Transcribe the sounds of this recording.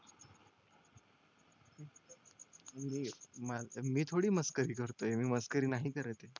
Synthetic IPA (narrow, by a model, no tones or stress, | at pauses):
miːmamiːt̪ʰoɽiːməskəɾiːkəɾt̪oemiːməskəɾiːnaɦiːkəɾet̪e